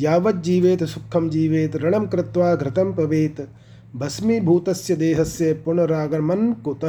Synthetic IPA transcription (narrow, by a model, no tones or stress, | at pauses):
jaːʋɐt̪̚d͡ʒiːʋeːt̪sukʰːɐmd͡ʒiːʋeːt̪ɾɐɳɐmkɾɪt̪ʋaːɡɾɪt̪ɐmpɐʋeːt̪ | bʱɐsmibʱuːt̪ɐsjɐd̪eːɦɐsjɐpuɳɐɾaːɡɐmɐnkut̪ɐ